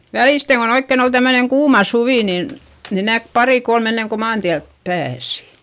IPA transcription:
ʋæliˑsteŋ kon oikːen ol tæmːøneŋ kuːmɑ suʋiˑ nin ni næk pɑriˑ kolm enːeŋ ko mɑːntiælp pæːsi̥

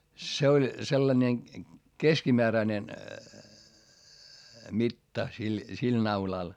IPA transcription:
se olʲ selːɑnʲe keskimeæræĭnen mitːɑ sil sil nɑulɑl

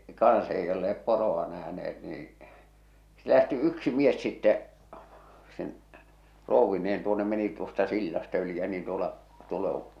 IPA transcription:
kɑ̃ːs ei olːeep poroɑ næhneet niːĩ se læhti yksi mies sitːɛ sen rouʋːineːn tuonːem meni tuostɑ silːɑstɑ̆ yli jɑ niːn tuolɑ tuol õː

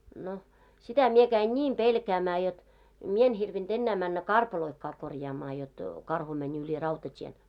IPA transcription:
no sitæ mie kæin nʲiːm pelkæːmæː jot mie en hirʋind̥ enːæː mænːæ kɑrpɑloĭkːɑː korjɑːmɑː jot kɑrhu mænʲ ylʲi rɑutɑtʲien

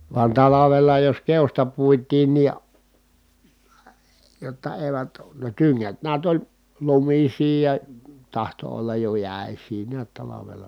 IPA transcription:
ʋɑn tɑlɑʋelɑ jos keostɑ puitˑiːn ni jotːɑ eˑi̯ʋæt ne tyŋːæt niæt olʲ lumisiː jɑ tɑhto olːɑj jo jæˑesˑiː niæt tɑlɑʋelɑ

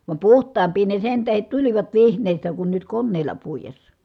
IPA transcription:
ʋɑm puhtˑɑːmpˑiː ne sen tæhet tuliʋɑt ʋihnˑeˑi̯stæ kun nyt konːeˑi̯lˑɑ puijesːɑ

